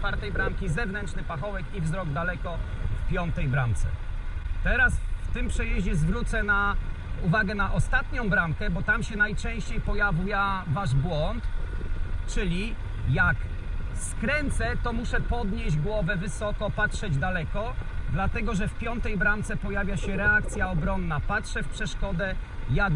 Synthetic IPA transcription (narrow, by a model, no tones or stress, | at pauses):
faɾt̪ɛjbɾaŋkʲizɛvnɛntʂnɘpaxɔwɛkivzɾɔɡd̪alɛkɔfpʲjɔnt̪ɛjbɾant̪sɛ̰t̪ɛɾasft̪ɘmpʂɛjɛʑd͡ʑɛzvɾut̪sɛna | uvaɡɛnaʔɔst̪at̪ɲɔ̃w̃bɾaŋkɛbɔt̪amɕɛnajt͡ʂɛ̃w̃ɕt͡ɕejpɔjavʲujavaʐbwɔnt̪ | t͡ʂɘlʲi | jak | skɾɛnt̪sɛt̪ɔmuʂɛpɔd̪ɲeʑɡwɔvɛvɘsɔkɔpatʂɛd͡ʑd̪alɛkɔd̪lat̪ɛɡɔʐɛfpʲjɔnt̪ɛjbɾant̪sɛpɔjavʲjaɕɛɾɛak̚t̪sʲjaɔbɾɔnːapatʂɛfpʂɛʂkɔd̪ɛ | ja